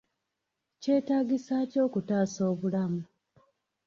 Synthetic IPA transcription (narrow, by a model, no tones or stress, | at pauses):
ce̞ːtaːɡisaːco̞ːkutaːso̞ːβulamu